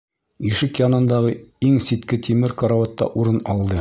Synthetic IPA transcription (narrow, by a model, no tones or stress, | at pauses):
iʃɘkjɑnɤ̆nd̪ɑʁɤiŋsit̪kɘt̪ʰimɘɾkoɾawɑt̪ːɑ̰ʔuɾɤnɒlˠd̪ɤ